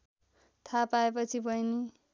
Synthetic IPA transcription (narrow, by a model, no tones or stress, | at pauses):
t̪ʰapaepʌt͡sʰibʌjni